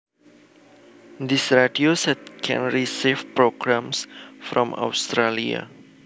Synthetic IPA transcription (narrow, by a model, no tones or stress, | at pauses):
d̪isɹadiosɛt̪kʰɛ̰̃nɹisifpɾoɡɾãmsfɾɔ̃ma̰wst̪ɾalia̰